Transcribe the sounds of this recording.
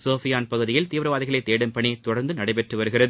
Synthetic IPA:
soːfɪjaːnpɐɣɯðɪjɪlt̪iːʋɐɾɐʋaːðɪɣɐɭɐɪt̪ːeːɽɯmpɐɳit̪ʊɽɐɾnd̪ɯnɐɽɐɪpɛʈrɯʋɐɾɯɣɪrɐðɯ

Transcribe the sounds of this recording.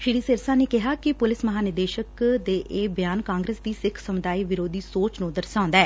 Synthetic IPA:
ʃɪɽiːsɪɾsãːneːkɪɦaːkɪpʊlɪsməɦaːnɪd̪eːʃəkd̪eːʔeːbjaːnkãːŋɡɾeːsd̪iːsɪkʰsəmʊd̪aːiːʋɪɾoːd̪iːsoːt͡ʃnũːd̪əɾsãːnd̪aɛː

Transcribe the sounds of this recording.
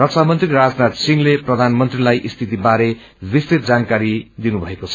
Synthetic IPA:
rʌk̚sʰamʌnt̪riɾad͡znat̪siŋleprʌd̪ʱanmʌnt̪rilajʔist̪ʰit̪ibaɾe | rist̪it̪̚d͡zankaɾid̪inubʱʌekot͡sʰʌ̥

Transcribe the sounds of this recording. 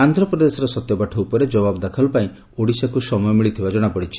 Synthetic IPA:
and̪ʱɾɔpɾɔd̪esɔɾɔsɔt̪jɔbaʈʰɔupɔɾed͡ʒɔbabɔd̪akʰɔlɔpaĩ | oɽisakusɔmɔjɔmiɭit̪ʰibad͡ʒɔɽ̃apɔɽit͡ʃʰi̥

